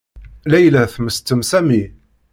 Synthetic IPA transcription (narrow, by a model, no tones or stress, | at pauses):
læjlæθməst̪ːəmsæmi